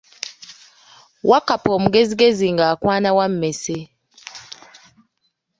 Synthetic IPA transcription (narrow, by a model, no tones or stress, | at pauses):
wakapomuɡeziɡeziŋɡakwaːnawam̩mese